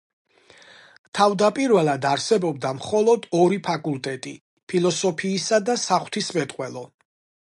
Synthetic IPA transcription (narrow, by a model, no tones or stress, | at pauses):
t̪ʰavd̪apʼiɾvɛlˠad̪aɾsɛbɔb̚d̪amχɔlˠɔd̪ɔɾipʰakʼulˠt̪ʼɛt̪ʼi | pʰilˠɔsɔpʰiːsad̪asaχw̥t̪ʰismɛt̪ʼqʼwɛlˠɔ